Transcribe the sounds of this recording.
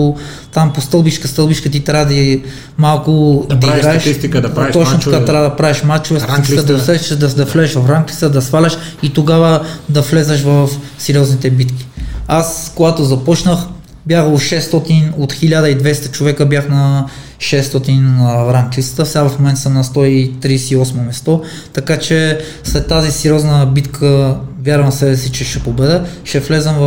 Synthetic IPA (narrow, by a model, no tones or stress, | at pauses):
t̪ampost̪ɤlˠbit͡ʃkəst̪ɤlˠbit͡ʃkət̪it̪ɾʲad̪i | malˠkʊd̪iɡɾaɛʃst̪ik̪t̪ɔt͡ʃnot̪ɐkat̪ɾad̪ɐpɾavɛʃmat̪t͡ʃovɛst̪ɐt̪isikəd̪ɐʊsɛʃəʃd̪ɐd̪ɐflɛɛʃvɐfɾamkʲi̥d̪ɐsfalʲɐʃ | it̪oɡavəd̪ɐflɛzɐʃ̬vɐfsɛɾʲijɔznit̪ɛbit̪ki̥askoɡat̪ozɐpɔt͡ʃnəx | bjaxoʃɛst̪ɔt̪inot̪xilʲad̪əid̪vɛst̪ɐ̥t͡ʃovɛkəbjaxnɐ | ʃɛst̪ɔt̪inɾamkʲisə̥t̪əfsɛɡavɐfmomɛnt̪səmnɐst̪ɔit̪ɾiːsɛiɔsmomɛst̪ɔ | t̪ɐkat͡ʃɛslɛt̪ːazisɛɾiɔznəbit̪kʰəvʲjaɾvɐmsɛbɛsit͡ʃɛʃɛpobɛd̪ɛʃɛflɛzəmv